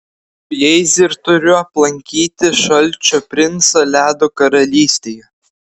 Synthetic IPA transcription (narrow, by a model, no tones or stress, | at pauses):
jɛɪzʲɪɾt̪ʊɾʲʊɐplˠɐŋʲkʲiːt̪ʲɪʃɐlʲˑt͡ʃʲoːpʲɾʲɪnsɐlʲæːd̪oːkɐɾɐlʲiːsʲt̪ʲeːjɛ